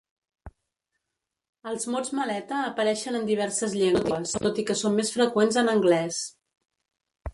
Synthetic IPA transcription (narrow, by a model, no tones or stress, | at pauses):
əlˠzmozməlɛt̪əːpəɾɛʃənənd̪iβ̞ɛɾsəzʎeŋt̪əst̪ot̪ikəsommːesfɾəkwenzənəŋɡlɛs